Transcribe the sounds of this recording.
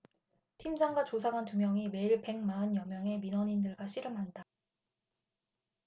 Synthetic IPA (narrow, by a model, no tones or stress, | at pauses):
tʰimd͡ʑaŋɡwat͡ɕosʰaɡantumjʌŋime̞iɭpe̞ŋmaɯnjʌmjʌŋe̞minʌɲindɯɭɡwaɕʰiɾɯmɦanda